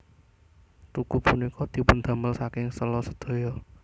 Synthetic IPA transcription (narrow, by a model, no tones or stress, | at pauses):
t̪ukupunikɔd̪̥i̤pʊnd̪a̤məlsakɪŋsəlɔsəd̪̥o̤jɔ